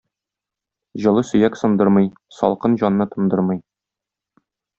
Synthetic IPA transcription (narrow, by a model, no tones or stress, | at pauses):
ʑɤ̆lˠɤsɵ̆jæksɤ̆nd̪ɤɾmɤj | sɒ̰lˠqɤnʑɒnːɤt̪ŏmd̪ɤɾmɤj